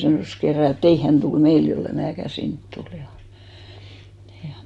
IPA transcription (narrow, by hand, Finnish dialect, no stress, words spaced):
sɑnoˑs kerːɑ et ei hæn tul meil jolːe mæːkæ sint tul jɑ jɑ̥